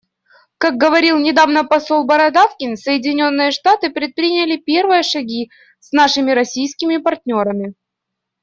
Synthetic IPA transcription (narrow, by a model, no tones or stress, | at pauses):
kaɡ̚ɡəvɐɾʲilˠnʲɪd̪avnəpɐso̞lˠbɐɾɐd̪afkʲɪnsəjɪdʲɪnʲo̞nːɨjəʂt̪at̪ɨpɾʲɪt̪̚pɾʲinʲɪlʲɪpʲe̞rvɨjəʂɐɡʲi | snaʂɨmʲɪɾɐsʲijskʲɪmʲɪpɐrtʲnʲo̞ɾəmʲɪ